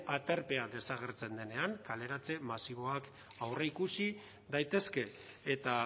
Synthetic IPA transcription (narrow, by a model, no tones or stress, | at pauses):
at̪e̞rpe̞aðe̞saɣ̞e̞ɾt͡se̞nd̪e̞ne̞aŋkale̞ɾat͡se̞masiβ̞o̞ak | awreikusi | d̪ajt̪e̞ske̞ː | t̪a